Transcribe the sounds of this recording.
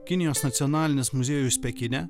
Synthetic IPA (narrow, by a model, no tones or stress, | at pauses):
kʲɪnʲɪjoːsnɐt̪sʲiɔnɑːlʲɪnʲɪsmʊzʲeːjʊsʲpʲɛkʲɪnʲɛ